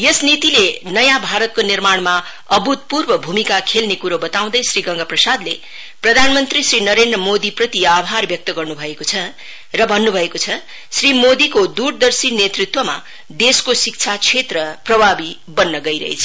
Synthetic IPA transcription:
jesnit̪ilenʌjãbʱaɾʌt̪̚konirmaɽ̃ma | ʌbut̪̚purbʌbʱumikakʰelnekuɾobʌt̪aw̃d̪ʌjsriɡʌŋɡaprʌsad̪le | prʌd̪ʱanmʌnt̪risrinʌɾend̪rʌmod̪iprʌt̪iabʱarbjʌk̚t̪ʌɡʌrnubʱʌekot͡sʰʌ | rʌbʱʌnːubʱʌekot͡sʰʌ | srimod̪ikod̪uɾd̪ʌrsinet̪rit̪wʌma̰ | d̪eskosik̚t͡sʰat͡sʰet̪rʌprʌbʱabi | bʌnːʌɡʌiɾʌ̰ɦḛt͡sʰʌ̥

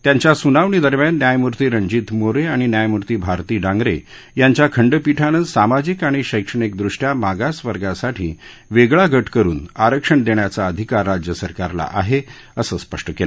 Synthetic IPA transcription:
t̪jaɲt͡ɕjasunaʋɳid̪əɾmjanːjajmuɾt̪iːɾəɲd͡ʑiːt̪moɾeaɽ̃injajmuɾt̪iːbʱaɾt̪iːɖãŋɡɾe | jaɲt͡ɕjakʰəɳɖpiʈʰanəsamad͡ʑiːkaɽ̃iɕəjkʂəɳikd̪ɾuʂʈjamaɡasʋəɾɡasaʈʰiː | ʋeɡɭaɡəʈkəɾṵːnaɾəkʂəɳd̪eɳjat͡saəd̪ʱikaɾːad͡ʑjəsəɾkaɾla̰ʔaɦe | əsəːspəʂʈəkel

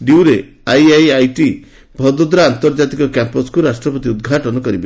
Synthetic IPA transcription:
ɖiwɾe | ajajajʈi | bʱɔd̪ɔd̪ɾaant̪ɔɾd͡ʒat̪ikɔkampɔskuɾasʈɾɔpɔt̪iud̪̚ɡʱaʈɔnɔkɔɾibe

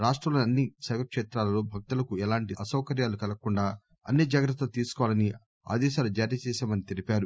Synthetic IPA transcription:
ɾaːʂʈɾɐlɐɐnːisɐjʋɐkʂeːt̪ɾaːlɐloːbʱɐk̚t̪ulɐkuɛlaːɳʈiɐsɐwkɐɾjaːlukɐlɐkuɳɖaː | ɐ̰nːid͡ʒaːɡɾɐt̪ːɐt̪iːsu̥kɔʋalɐni | a̰ːd̪ɛːʃaːlud͡ʒaːɾjɐt͡ʃɛːsaːmɐnit̪elipʲaːɾu

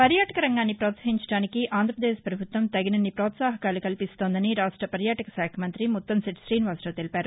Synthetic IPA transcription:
pɐɾjaːʈɐkɐɾɐŋɡaːnːipɾɔːt̪sɐɦiɲt͡ʃɐ̥ɽaːnikiʔʔaːnd̪ɾɐpɾɐd̪eːʃpɾɐbʱut̪ʋɐmt̪ɐɡinɐnːipɾɔːt̪saːɦɐkaːlukɐlipist̪o̞ːnd̪ɐniɾaːʂʈɾɐpɐɾjaːʈɐkɐsaːkʰɐmɐnt̪ɾimut̪ːɐmsiʈsɾiːnʋaːsʈɐːt̪elipaːɾu

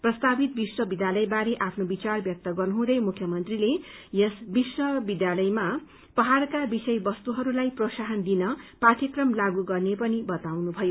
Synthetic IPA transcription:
prʌst̪abit̪̚biswʌbid̪jalʌjbaɾeʔapʰnobit͡sarbjʌk̚t̪ʌɡʌrnɦũd̪ʌjmukʰjʌmʌnt̪rilejʌsbiswʌbid̪jalʌjma | pʌɦarkabisʌjbʌst̪uɦʌɾulajprosaɦʌnd̪inʌpat̪jʌkrʌmlaɡuɡʌrnepʌnibʌt̪awnubʱʌjo

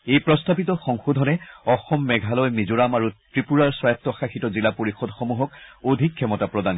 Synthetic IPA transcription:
ejpɹɔstabitɔxɔŋxudʱɔnɛɔxɔmːɛɡʱalɔjmizuɹamaɹutɹipuɹaɹswɔjap̚tːɔxaxitɔzilapoɹixɔdxomuɦɔk̚odʱikʰːɛmɔtapɹɔdan

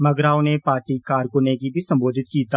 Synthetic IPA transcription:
mɐɡɾaːwnepaːɾʈikaːɾkʊnekibʱisɐ̃mboːd̪ʱɪt̪kiːt̪a

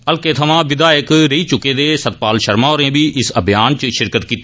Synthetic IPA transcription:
əlkeːt̪ʰəʋãːʋɪd̪aːjəkɾəiːt͡ʃʊkːeːd̪eːsət̪̚paːlʃəɾmãːoɾẽːbiːʔɪsəbʱjaːnt͡ʃʃɪɾkət̪kiːt̪ː

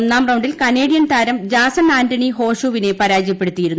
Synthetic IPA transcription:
nːaːmrɐwɳɖilkɐne̞ːɽijɐnt̪aːɾɐmd͡ʑaːsɐnaːndɐɳiɦo̞ːɕuʋine̞pɐɾaːd͡ʑjɐpːe̞ɽut̪ːijiɾunː

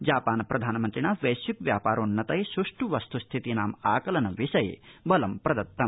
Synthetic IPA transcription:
d͡ʒaːpaːnɐpɾɐd̪ʱaːnɐmɐnt̪ɾinaːʋɐjsjukʋjaːpaːɾoːnːɐt̪ɐjsɾuʂʈuʋɐst̪ʰust̪ʰit̪inaːmaːkɐlɐnɐʋiʃɐjbɐlɐmpɾɐd̪ɐt̪ːɐm

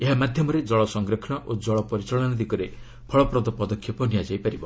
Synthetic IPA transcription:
eɦamad̪ʱjɔmɔɾed͡ʒɔɭɔsɔŋɡɾekʰɳ̃ɔʔod͡ʒɔɭɔpɔɾit͡ʃɔɭɔnɔd̪ikɔɾe | pʰɔɭɔpɾɔd̪ɔpɔd̪ɔkʰjipɔnijad͡ʒajpaɾibɔ

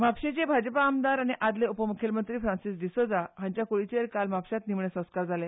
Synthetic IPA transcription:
mapɕet͡ɕebʱad͡ʑpaːmd̪aɾaɽ̃iʔad̪leupəmukʰelmənt̪ɾiːfɾãnsisd̪isod͡zaɦãɲt͡ɕjakoɽit͡ɕeɾkalmapɕat̪nimɳesə̃w̃skaɾd͡zʱale

